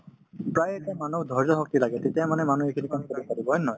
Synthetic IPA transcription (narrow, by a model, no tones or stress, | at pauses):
pɹajetamanudʱɔɹzɔxɔk̚tilaɡɛtetjamanɛmanuekʰinikɔmikoɾpaɹibɔɦɔjnɔj